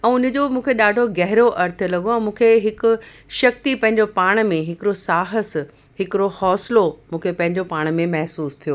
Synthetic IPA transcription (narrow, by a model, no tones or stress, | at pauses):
ɛ̃ːʊnə̆d͡ʑoːmũːkʰeɗaːɖʱoɡɛɦɪɾoʔɐɾt̪ʰlɐɠoɛ̃ːmũːkʰeɦɪkʊ̆ | ʃɐk̚t̪ipɐ̃ɦɪɲ̆d͡ʑopaːɽ̃̆mẽɦɪkɪɾosaːɦəs | ɦɪkɪɾohɔːslomũːkʰepɐ̃ɦɪ̃ɲd͡ʑopaːɽ̃mẽmɐɦsuːst̪ʰijoː